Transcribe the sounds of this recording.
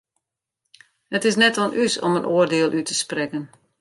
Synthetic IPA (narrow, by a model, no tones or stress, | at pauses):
hətɪs̬nɛtɔnʔysɔ̰mənʔoərdɪːəlˠʔytʰəsprɛkən